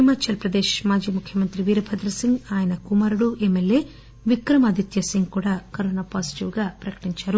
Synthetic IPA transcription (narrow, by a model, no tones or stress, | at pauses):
imɐt͡ʃɐlpɾɐd̪eːʃmaːd͡ʒiːmukʰjɐmɐnt̪ɾiʋiːɾɐbʰʱɐd̪ɾɐsiŋɡaːjɐnɐkumaːɾuɽuʔemːelje̞ː | ʋikɾɐmɐd̪ʱit̪jɐsiŋɡkuːɽaːkɐɾoːnaːpaːsi̥ʈiʋɡaːpɾɐkɐ̥ʈiɲt͡ʃaːɾu